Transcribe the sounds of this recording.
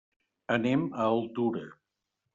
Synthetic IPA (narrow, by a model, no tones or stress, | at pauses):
əneməolˠt̪uɾə